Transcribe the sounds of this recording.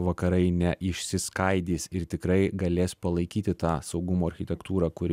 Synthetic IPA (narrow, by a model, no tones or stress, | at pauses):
ʋɐkɐɾɐɪnʲɛʔɪʃʲsʲɪskɐɪd̪ʲiːsɪɾt̪ʲɪkɾɐɪɡɐlʲeːspɐlˠɐɪkʲiːt̪ʲɪt̪ɑːsɐʊɡʊmoːɐɾʲxʲɪt̪ʲɛkt̪uːɾɑːkʊɾʲ